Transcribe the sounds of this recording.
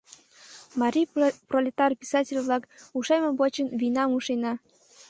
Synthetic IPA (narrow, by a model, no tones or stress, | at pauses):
mɑɾʲijprolʲet̪ɑrpʲisɑtʲɪlʲvlɑkuʃɑjmɤ̆bot͡ɕənvʲinɑmuʃenɑ